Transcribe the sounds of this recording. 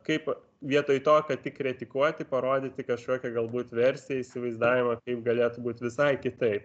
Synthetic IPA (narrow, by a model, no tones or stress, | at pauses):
kɐɪp | ʋʲiɛt̪oːjt̪oːkɐt̪ʲɪkɾʲɛt̪ʲɪkuɔt̪ʲɪpɐɾoːd̪ʲɪt̪ʲɪkɐʃkʲoːkʲɛɡɐlˠbuːt̪ʲʋʲɛɾʲsʲɪjɛiːsʲɪʋɐɪzd̪ɑːʋʲɪmɐkɐɪp̚ɡɐlʲeːt̪ʊbuːt̪ʲʋʲɪsɐɪkʲɪt̪ɐɪp